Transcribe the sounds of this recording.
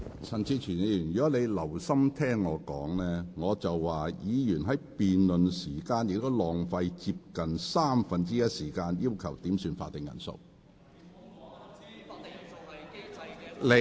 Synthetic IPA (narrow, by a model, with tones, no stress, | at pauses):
t͡sʰɐ˨˩nt͡sʰiː˨˧t͡ʃʰyː˨˩njyː˨˩njːɔ˨˥le˨˧jlɐ˨˩wsɐ˥mt̪ʰɛː˥ŋːɔː˨˧kɔ̰ː˨˥ŋlɛː˥ŋɔː˨˧t͡sɐ˨wːaː˨jiː˨˧jyː˨˩nɦɐ˨˥jpiː˨nlɵ˨nsiː˨˩kaː˧njɪ˧k̚t̪o˥wlɔː˨ŋfɐ˧jt͡siː˧p̚kɐ˨nsaː˥mfɐ˧nt͡siː˥jɐ˥t̚siː˨˩kaː˧njiː˥wkʰɐ˨˩wt̪iː˨˥msyː˧nfa̰ː˧t̪ɪ˨ŋjɐ̰˨˩nso̰˧w | le˨˧